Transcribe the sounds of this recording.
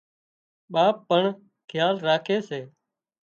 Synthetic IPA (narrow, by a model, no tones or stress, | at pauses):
ɓaːpːəɳ | kʰjaːlɾaːkʰeːseː